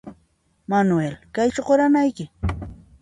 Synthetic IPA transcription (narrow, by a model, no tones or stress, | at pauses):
manʊelkajt͡ʃoɢoɾanajkɪ